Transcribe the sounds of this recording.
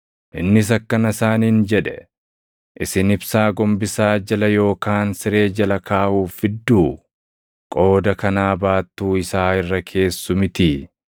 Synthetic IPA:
ʔɪnːɪs̬ɐkːɐnɐɪsaːniːnd͡ʒɛᶑɛ | ʔɪsɪnɪbsaːɡɔmbɪsaːd͡ʒɐlɐjo̞ːkaːnsɪɾe̞ːd͡ʒɐlɐkʰaːʔuːfɪd̪ːuː | kʼo̞ːd̪ɐkɐnaːbaːt̪ːuːɪsaːɪrːɐkʰe̞ːsːʊmɪt̪i

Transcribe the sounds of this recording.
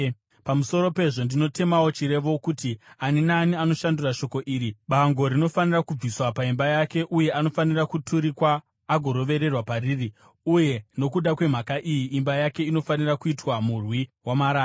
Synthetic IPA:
pamuso̞ɾo̞pe̞ʐo̞ndino̞te̞mawo̞t͡ʃiɾe̞ʋo̞kutianinaːniano̞ʃanduraʃo̞ko̞ʔiːɾiɓaŋɡo̞ɾino̞fanirakub͡viswapaimbajake̞ʔuje̞ano̞fanirakutʰuɾikwaː | ɡʱo̞ɾo̞ʋe̞ɾe̞rwapariri | uje̞no̞kuɗakwe̞m̤akaʔijiːmbajake̞ino̞fanirakuitwamurwiwamaɾaː

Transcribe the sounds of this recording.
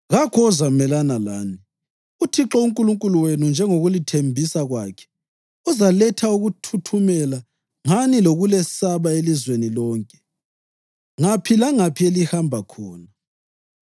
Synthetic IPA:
ɣakʰɔzamɛlanala̰ːni | utʰiǁouŋkʼuluŋkʼuluwenund͡ʒʱɛŋoɣulitʰembʱisaɣwaːkʰɛ̥ | uzalɛtʰauɣutʰutʰumɛla | ŋaniloɣulɛsaβaelizwenilɔːŋkʼɛ̥ | ŋapʰilaŋapʰielihambʱakʰɔːna

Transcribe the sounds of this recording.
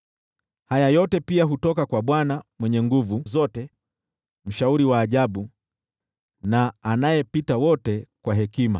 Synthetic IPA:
hajajɔtɛpiaɦutɔkakwaɓwanamwɛɲɛŋɡuvuzɔtɛ | m̩ʃauɾiwaːʄaɓu | naːnajɛpitawɔtɛkwaɦɛkima̰

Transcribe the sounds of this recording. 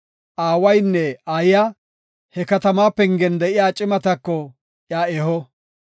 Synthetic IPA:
ʔaːwɐjnːɛaːjɪja | hɛkɐt̪ɐmaːpːɛŋɡɛnd̪ɛʔɪjaːt͡ʃʼɪmɐt̪ɐkːɔ | ʔjaːɛɦɔ

